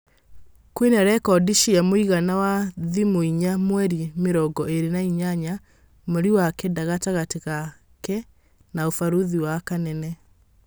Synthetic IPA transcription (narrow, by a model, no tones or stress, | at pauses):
kwenaɾɛkɔdiʃiamoiɣanawaðimoiɲamwɛɾimeɾɔɡɔʔeɾenaiɲaɲa | moɾiwakɛdaɣataɣateɣa | kɛ | naofaɾuðiwakanɛnɛ